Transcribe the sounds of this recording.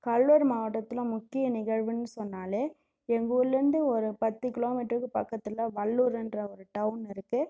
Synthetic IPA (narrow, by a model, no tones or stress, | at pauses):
kɐɭʋɐɾmɐɣɐʈːɐt̪ːɪlɐ̃mʊkːɪjɐnɪɣɐɻʋɯnːɯsɔnːaːleː | ɛŋɡulːɪɾɯnd̪ɯɔɾɯpɐt̪ːɯkɪloːmɪʈɾɯkːɯpɐkːɐt̪ːɯlɐʋɐɭːuːɾɛndrɐɔɾɯʈɐʋnɪɾɯkːɯ